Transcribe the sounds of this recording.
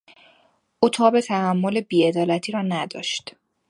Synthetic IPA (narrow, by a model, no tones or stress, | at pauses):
ʔuːt̪ʰɒːbe̞t̪ʰæhæmːo̞le̞biːe̞d̪ɒːlæt̪ʰiːɾɒːnæd̪ɒ̰ːʃt̪